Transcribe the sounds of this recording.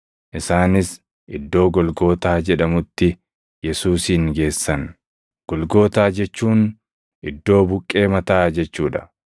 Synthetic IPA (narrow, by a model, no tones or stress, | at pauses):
ʔɪsaːnɪs | ʔɪd̪ːo̞ːɡɔlɡo̞ːt̪aːd͡ʒɛᶑɐmʊt̪ːɪ | jɛsuːsiːŋɡe̞ːsːɐn | ɡ̥ɔlɡo̞ːt̪aːd͡ʒɛt͡ʃːuːn | ʔɪd̪ːo̞ːbʊkʼːe̞ːmɐt̪aːd͡ʒɛt͡ʃːuːᶑɐ̥